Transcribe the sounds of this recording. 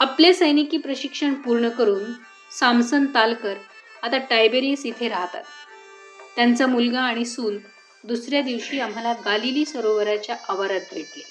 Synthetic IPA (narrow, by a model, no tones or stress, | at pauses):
aplesəjnikiːpɾəɕikʂəɳpuɾɳəkəɾuːn | samsənt̪alkəɾ | at̪aʈajbeɾisit̪ʰeɾaɦt̪a̰t̪̚ː | jant͡samulɡãːɽ̃isuːl | d̪usɾjad̪iʋɕiːam̤alaɡaliliːsəɾoʋəɾat͡ɕjaʔaʋaɾat̪ʋet̪le